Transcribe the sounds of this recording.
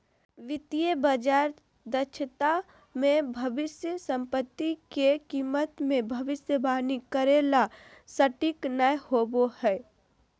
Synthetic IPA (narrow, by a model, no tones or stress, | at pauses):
ʋɪt̪ijəbəd͡ʒaːɾ | d̪ət͡ʃʰət̪a | mẽbʱɐʋɪsjəsə̃mpət̪ːikekiːmət̪mẽbʱɐʋɪsjəbaːnikəɾela | səʈɪknəjhoːbohɛː